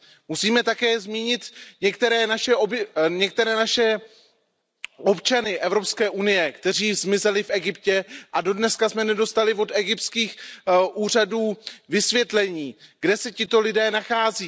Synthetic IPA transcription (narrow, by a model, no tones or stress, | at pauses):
musiːmɛt̪akɛːzmiːɲɪt̪ɲɛkt̪ɛɾɛːnaʃɛobɲɛk̚t̪ɛɾɛːnaʃɛ | ʔo̞pt͡ʃanɪʔɛvɾo̞pskɛːʔunɪjɛkt̪ɛr̝iːzmɪzɛlɪfʔɛɡɪpcɛʔado̞dnɛskasmɛnɛdo̞st̪alɪvo̞d̪ɛɡɪp̚t̪skiːxʔuːr̝aduːvɪsvjɛt̪lɛɲiːɡdɛsɛcɪt̪o̞lɪdɛːnaxaːziː